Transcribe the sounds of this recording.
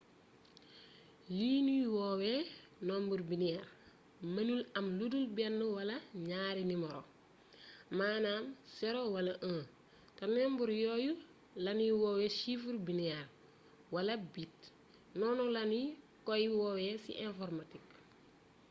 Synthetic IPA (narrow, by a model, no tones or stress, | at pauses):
liːniwɔːwɛ | nɔːmbuɾbiniɛr | mɐnulɐmludulbɛnːuwɐlɐɲaːɾinimɔɾɔ̰ | maːnaːmsɛɾɔwɐlɐʔə̃ː | tanɔmbuɾjɔːju | laniwɔːwɛʃifuɾbiniɛr | walɐbit | nɔːnɔlani | kɔjiwɔwɛsḭʔɛ̃nfɔɾmatik̚